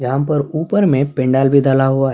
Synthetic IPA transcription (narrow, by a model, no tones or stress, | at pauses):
ɡaːmpɐɾuːpəɾmẽpɪ̃ɳɖaːlbʱid̪aːlaɦua